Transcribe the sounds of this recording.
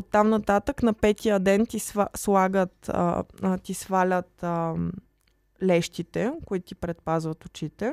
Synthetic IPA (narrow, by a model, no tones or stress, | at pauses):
ot̪ːamnɐt̪at̪əknɐpɛt̪ijəd̪ɛnt̪isaslˠaɡət̪t̪isvalʲət̪ə | lɛʃt̪it̪ɛkoit̪ʊ̥t̪ipɾɛt̪̚pazvət̪ʊt͡ʃit̪ɛ